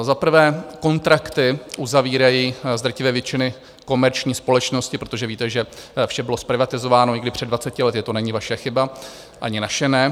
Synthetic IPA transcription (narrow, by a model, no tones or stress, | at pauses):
zapɾ̩vɛːko̞nt̪ɾakt̪ɪʔuzaviːɾajiːzd̪ɾacɪvɛːvjɛt͡ʃɪnɪ | ko̞mɛɾt͡ʃɲiːspo̞lɛt͡ʃno̞scɪpɾot̪o̞ʒɛviːt̪ɛʒɛfʃɛbɪlo̞spɾɪvat̪ɪzovaːno̞ɲɪɡdɪpr̝̥ɛdvat͡sɛcɪlɛt̪ɪt̪o̞nɛɲɪvaʃɛxɪba | ʔaɲɪnaʃɛnɛ